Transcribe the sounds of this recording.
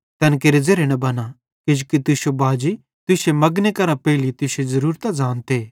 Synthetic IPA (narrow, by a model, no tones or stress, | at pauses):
t̪ɛnkeːɾezeɾenɐbɐna | kɪd͡ʒkit̪ʊsobʱaːd͡ʒi | t̪ʊsemɐɡnekɐɾãpɛːɪlit̪ʊsezɐɾuːɾt̪ad͡ʒaːnt̪eː